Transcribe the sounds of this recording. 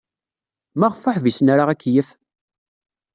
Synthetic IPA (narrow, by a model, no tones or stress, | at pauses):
mæʁfəħvisnaɾaʁækːjəf